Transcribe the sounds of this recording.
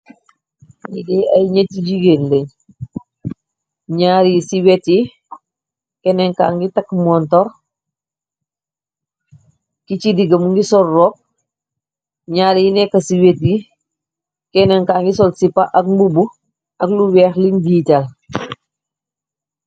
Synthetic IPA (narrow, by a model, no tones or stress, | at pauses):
ɲidiɐjɲetːid͡ʒiɡenleɲ | ɲaːɾisiwɛtji | kɛnɛŋkaːŋɡitɐkmɔntɔɾ | kit͡ʃidiɡɐmuŋɡisɔlːɔk̚ | ɲaːɾjinɛkːɐsiwetɡi | kɛnɛŋkaːŋɡisɔlsipaʔɐk̚mbubu | ɐkluwɛːxliɲbiːtal